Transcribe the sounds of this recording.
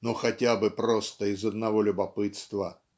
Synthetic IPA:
nuxɐtʲabɨpɾo̞st̪əɪzɐd̪nɐvo̞lʲʊbɐpɨt̪st̪və

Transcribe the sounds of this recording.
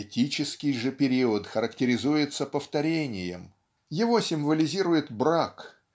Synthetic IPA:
ɪtʲit͡ɕɪskʲɪjʐɨpʲɪɾʲiət̪xəɾəktʲɪɾʲɪzujɪt̪səpəft̪ɐɾʲenʲɪjɪ̰m | jɪvo̞sʲɪmvəlʲɪzʲiɾʊjɪt̪bɾak

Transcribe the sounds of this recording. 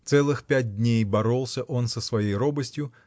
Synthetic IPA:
t̪sɛlˠɨxpʲæt̚ʲd̪ʲnʲejbɐɾolˠsʲəʔo̞nsəsvɐjejɾobəsʲtʲjʊ

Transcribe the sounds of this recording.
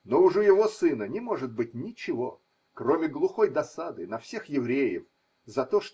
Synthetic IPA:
noʊʐɨjɪvo̞sɨnənʲɪmo̞ʐɨt̪̚bɨt̚ʲnʲɪt͡ɕɪvo̞ | kɾomʲɪɡlˠʊxo̞jd̪ɐsad̪ɨnɐfsʲe̞xjɪvɾʲejɪf | zɐt̪o̞ʂ

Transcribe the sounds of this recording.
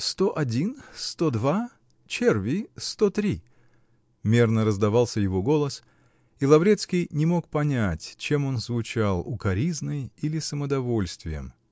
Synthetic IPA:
st̪o̞ʔɐdʲinst̪o̞d̪va | t͡ɕervʲɪst̪ot̪ɾʲi | mʲernəɾəzd̪ɐvɑlˠsʲəjɪvo̞ɡo̞lˠəs | ilˠɐvɾʲet̪skʲɪjnʲɪmo̞kpɐnʲætʲt͡ɕe̞mo̞nzvʊt͡ɕalˠʊkɐɾʲiznəjilʲɪsəməd̪ɐvo̞lʲst̪vʲɪjə̰m

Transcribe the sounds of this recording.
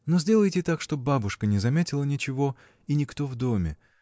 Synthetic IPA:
nozʲdʲe̞lˠəjtʲɪt̪akʂt̪o̞babʊʂkənʲɪzɐmʲetʲɪlˠənʲɪt͡ɕɪvo̞ | inʲɪkt̪o̞vd̪o̞mʲɪ̰

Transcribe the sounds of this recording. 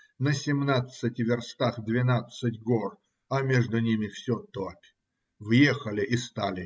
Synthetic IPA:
nəsʲɪmnat̪sɨtʲvʲɪrst̪axd̪vʲɪnat̪sɨtʲɡor | ɐmʲeʐd̪ʊnʲimʲɪfsʲot̪opʲ | vjexəlʲɪʔɪst̪alʲɪ

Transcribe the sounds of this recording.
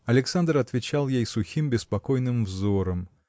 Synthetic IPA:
ɐlʲɪksand̪rɐt̪vʲɪt͡ɕalˠjejsʊxʲimbʲɪspɐkojnɨmvzoɾəm

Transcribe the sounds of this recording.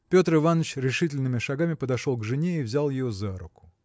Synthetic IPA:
pʲo̞t̪ɾɨvanːət͡ɕɾʲɪʂɨtʲɪlʲnɨmʲɪʂɐɡamʲɪpəd̪ɐʂo̞lˠɡʐɨnʲeivzʲalˠjɪjozaɾʊkʊ̥

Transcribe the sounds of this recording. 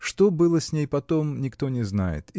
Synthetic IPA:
ʂt̪o̞bɨlˠəsʲnʲejpɐt̪o̞mnʲɪkt̪o̞nʲɪznajɪ̰t̪

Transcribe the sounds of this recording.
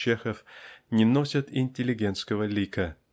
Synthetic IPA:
t͡ɕːexəfnʲɪnosʲət̪ɪnʲtʲɪlʲɪɡʲe̞nt̪skəvəlʲikə

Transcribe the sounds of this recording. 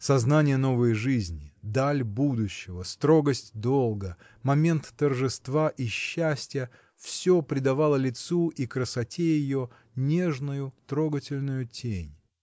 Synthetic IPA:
sɐznanʲɪjəno̞vəjʐɨzʲnʲɪd̪alʲbud̪ʊɕːɪvəst̪ɾo̞ɡəsʲtʲd̪o̞lˠɡə | mɐmʲe̞nt̪ːərʐɨst̪vaʔiɕːæsʲtʲɪjə | fsʲopɾʲɪd̪ɐvalˠəlʲɪt̪suʔikɾəsɐtʲejɪjo̞ | nʲe̞ʐnʊjʊt̪ɾo̞ɡətʲɪlʲnʊjʊtʲʰenʲ

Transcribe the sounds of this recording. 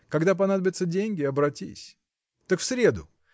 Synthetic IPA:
kɐɡd̪ap̬ɐnad̪əbʲɪt̪sədʲenʲɡʲɪɐbɾɐtʲḭsʲ | t̪əkfsɾʲed̪ʊ̰

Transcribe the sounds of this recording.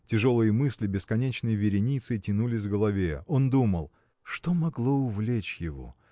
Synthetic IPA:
tʲɪʐo̞lˠɨjəmɨsʲlʲɪbʲɪskɐnʲet͡ɕnɨjəvʲɪɾʲɪnʲit̪sɨitʲɪnulʲɪs̬ʲvɡəlˠɐvʲeo̞nd̪uməlˠ | ʂt̪omɐɡlˠoʊvlʲet͡ɕjɪvo̞̰

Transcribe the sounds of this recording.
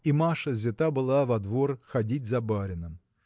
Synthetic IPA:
imaʂəzʲɪt̪abɨlˠavɐd̪vo̞rxɐdʲitʲzɐbaɾʲɪnɨm

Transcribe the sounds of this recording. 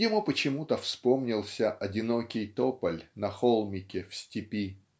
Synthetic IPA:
dʲɪmupət͡ɕɪmut̪əfspomnʲɪlˠsʲəʔɐdʲɪnokʲɪjt̪opəlʲnɐxolˠmʲɪkʲɪfsʲtʲɪpʲi

